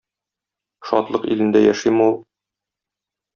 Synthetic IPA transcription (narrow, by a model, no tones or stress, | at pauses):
ʃɒ̰t̪lˠɤqḭlɘ̆nd̪æjæʃimɤulˠ